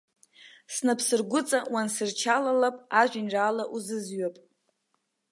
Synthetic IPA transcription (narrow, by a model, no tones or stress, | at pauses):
snapʰsɨrɡʷʊt͡sʼawansɨrt͡ʃʰalalapʼaʒʷᶣɪnraːlaʔuzɨzɥapʼ